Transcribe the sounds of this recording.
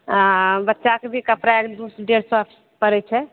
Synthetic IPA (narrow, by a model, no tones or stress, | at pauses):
bətːʃakebʱikapɾaekd̪usɖeɾsɔəpʰi̥spəɾɛt͡ʃʰɛ